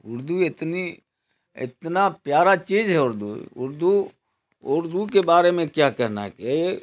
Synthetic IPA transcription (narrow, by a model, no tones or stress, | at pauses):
ʊɾd̪uɪt̪ni | ɪ̰t̪napjaːɾat͡ʃiːd͡ʒɦɛʊɾd̪ṵʊ̰ɾd̪u | ʊɾd̪ukebaːɾemẽkjakəɾna̰ɦɛke